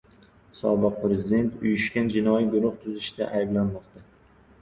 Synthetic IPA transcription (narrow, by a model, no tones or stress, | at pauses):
sɒbɨq̚pɾezɪd̪e̞nt̪ʊjʊʃkʲand͡ʒɪnɒjiɡʊɾʊχt̪ʰʊzɪʃt̪a̰ʔajblanmɒqt̪a